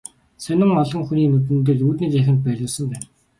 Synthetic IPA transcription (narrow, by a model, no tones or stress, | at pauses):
sœnə̆ŋɔɮʁɞ̆ŋxuniːmɵt̪̬ɘ̆nt̪̬ɘ̆ɮuːt̪niːt͡ɕæxʲɪ̆nt̪̚pæɾʲʊːsə̆mpæːn